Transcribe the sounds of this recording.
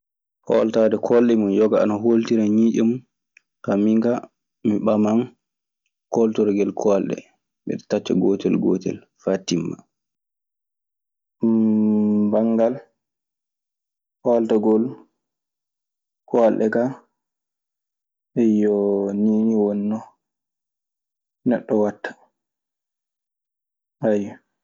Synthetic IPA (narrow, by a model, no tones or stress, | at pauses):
hɔ̰ltadɛkʰɔlɗɛmunjɔɡaanaɦoltiɾaɲiːɗɔmu | hamiŋɡa | miɓaman | kɔltɔɾɡɛlkʰɔlɗɛ̰ | mɛ̰ɗɛtat͡ʃːaɡɔtɛlɡɔ̰ːtɛ̰l | fatːimːa̰ | baŋɡal | kɔltaɡɔl | kɔalɗɛka | ɛjɔniniwɔnːɔ | nɛɗːɔwatːḁ | haj